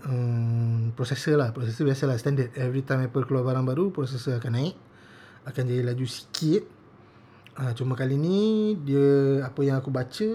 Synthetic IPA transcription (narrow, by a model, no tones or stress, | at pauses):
ə | pɾosɛsəlahpɾosɛsəbiasəlahst̪ɛndədɛvɾit̪ajmapəkəluarbaɾaŋbaɾupɾos̬ɛsəakanaɪʔ̚ | akand͡ʒadilad͡ʒusi̥kʰɪt̪̚ | ət͡ʃumãkalinĩdiəapəjãŋakubat͡ʃə